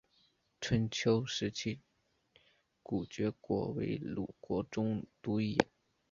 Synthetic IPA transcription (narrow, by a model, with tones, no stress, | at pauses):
ʈ͡ʂʰə˧˥nt͡ɕʰjo˥ʊʂɻ̩˧˥t͡ɕʰi˥˩ | ku˨˩t͡ɕɥɛ˧˥kwɔ̰˧˥wḛ˧˥ɪlṵ˨˩kwɔ˧˥ʈ͡ʂʊ˥ŋt̪u˥i˧˥˦n